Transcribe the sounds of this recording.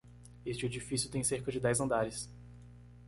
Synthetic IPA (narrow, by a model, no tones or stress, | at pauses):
est͡ʃɪed͡ʒifisjʊt̪ẽj̃seɾkɐd͡ʒɪd̪ɛjzɐ̃nd̪aɾɪs